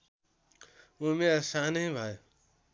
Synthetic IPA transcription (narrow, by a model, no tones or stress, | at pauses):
umesanʌĩbʱʌjo